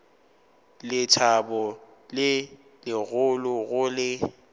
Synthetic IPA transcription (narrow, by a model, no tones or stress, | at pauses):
lɪtʰabɔ | lɪ | lɪɣʊlʊɣʊlɪ